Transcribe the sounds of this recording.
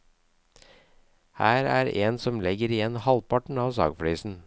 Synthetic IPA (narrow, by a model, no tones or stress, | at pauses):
hæːɾæːɾeːnsɔmlɛɡəɾɪjɛnhɑlpɑʈɳ̩ɑːʋsɑ̰ːɡfɽyːsn̩